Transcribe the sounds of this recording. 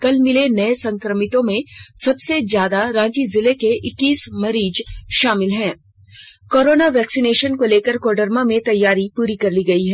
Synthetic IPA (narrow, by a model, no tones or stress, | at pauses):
kɐlmɪlenɐesɐ̃ŋkɾəmɪt̪õmẽsɐbsezjaːd̪aɾãːd͡ʒizɪlekeʔɪkːiːsmɐɾiːd͡ʒʃaːmɪlɦɛ̃ː | koːɾoːnaʋɛːksɪneːʃənkoleːkəɾkoːɖəɾmamẽt̪ɐjːaːɾipuːɾikɐɾliːɡɐiɦɛː